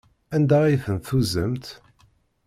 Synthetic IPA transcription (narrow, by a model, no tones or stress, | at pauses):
ænd̪æiθənθuzəmt̪